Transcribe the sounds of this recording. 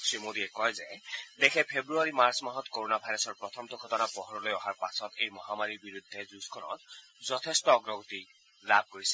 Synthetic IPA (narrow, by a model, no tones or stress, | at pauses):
sɹimod̪iɛkɔjzed̪ekʰɛpʰebɹuaɹimaɹsɔmaɦɔt̪koɹonabʱajɾɔsɔɹpɹɔt̪ʰɔmt̪ɔɡʱɔtɔnapɔɦɔɹɔlojɔɦaɹpasɔt̪ḛjmɔɦamaɹiɹbiɹud̪ʱːezuskʰɔnɔ̰t̪̚ | zɔt̪ʰestɔːɡɹɔɡot̪i | lab̚ʱkoɹisɛ̥